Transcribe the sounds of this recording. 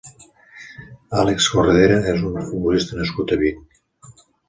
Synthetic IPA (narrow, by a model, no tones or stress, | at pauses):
alekskorðeɾaezunfubulist̪ənəskut̪əβiɲ